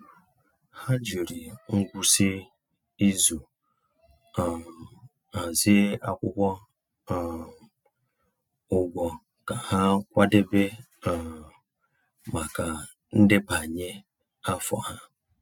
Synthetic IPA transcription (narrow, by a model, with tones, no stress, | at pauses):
ha˦d͡ʒu˨ɾi˨ŋ̩˦ɡʷu˦se˦ | i˦zu˨ | a˨ | a˨zɪ˦a˦kʷʊ˦kʷɔ˦˨ | ʊ˨ɡʷɔ˨ | ka˨ha˦kʷa˦de˦be˦ | a˨ | ma˨ka˨ | n̩˦dɪ˦pa˨ɲe˦ | a˦fɔ̰˨ha˦